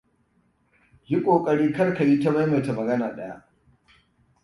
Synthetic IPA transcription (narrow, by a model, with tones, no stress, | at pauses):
ji˦kʷʼoː˨kʼɐ˨ɽiː˦kɐ˦rka˨ji˦ta˦ma˦jmɐ˨ta˨mɐ˨ɡɐ˦naː˨ɗɐ˦ja̰˦ʔ